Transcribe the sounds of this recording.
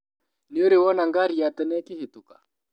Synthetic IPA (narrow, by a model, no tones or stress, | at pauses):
niɔɾiwɔnaŋɡaɾijatɛnɛkiɦituka